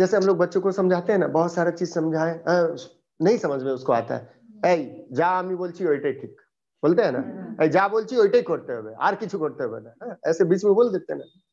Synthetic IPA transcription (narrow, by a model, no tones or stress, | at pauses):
d͡ʒɛːseɦəmloɡ̚bətːʃõkosəmd͡ʒʱat̪eɦɛnabəɦut̪saɾat͡ʃid͡ʒsəmd͡ʒʱaeə̃ | nəĩsəməd͡ʒʱmẽʊskoa̰t̪a̰ɦɛ̰ | əid͡ʒaəmibolt͡ʃʰioiʈeʈʰiːk | bolt̪eɦɛna̰əid͡ʒabolt͡ʃʰiojʈekoɾt̪eɦbea̰ɾkit͡ʃʰukoɾt̪eɦbḛnaɦɛːsebiːt͡ʃmebold̪et̪ena